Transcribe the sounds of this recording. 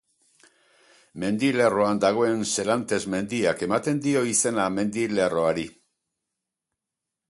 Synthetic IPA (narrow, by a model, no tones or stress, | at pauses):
me̞nd̪ile̞ro̞and̪aɣ̞o̞e̞nse̞lant̪e̞zme̞nd̪iake̞mat̪e̞nd̪io̞ise̞name̞nd̪ile̞ro̞aɾi